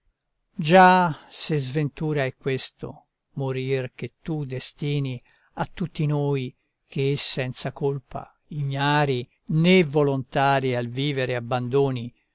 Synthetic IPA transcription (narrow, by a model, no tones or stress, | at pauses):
d͡ʒasezvent̪uːɾaɛkːwest̪o̰ | moɾirk̟et̪ːud̪est̪iːni | at̪ːut̪ːinoːj | kʰeːsːɛnt̪sakolpa̰ | iɲjaːɾi | nevolont̪aːɾialviːveɾeabːand̪oːni